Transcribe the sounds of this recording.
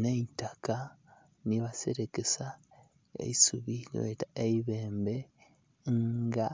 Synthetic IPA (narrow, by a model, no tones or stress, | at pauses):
neitaka | niβaseɾekesa | ḛisuβino̰etaeiβe̞ːmbe | ŋɡa